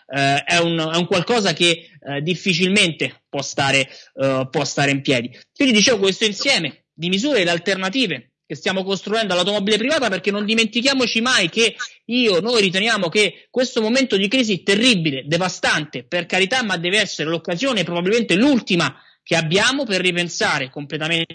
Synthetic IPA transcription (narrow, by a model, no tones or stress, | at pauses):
ɛunɛuŋkwalkɔːzaked̪ːifːit͡ʃilment̪epwɔst̪aːɾepwɔst̪aːɾeimpjɛːd̪ikwind̪id̪it͡ʃeːvok̬west̪oinsjɛːme | d̪imizuːɾelːalt̪ernat̪iːve | kest̪jaːmokost̪ɾuɛnd̪oalːawt̪omɔbilep̬ɾivaːt̪aperk̟enːond̪iment̪ikjaːmot͡ʃimajkeiːonojɾit̪̬enjaːmokekwest̪omoment̪od̪ikɾiːziɛt̪erːibiled̪evast̪ant̪eperkaɾit̪amːad̪ːɛːveɛsːeɾelokːazjoːneɛpɾobabilment̪elult̪ima | keabːjaːmoperːipensaːɾekomplet̪ame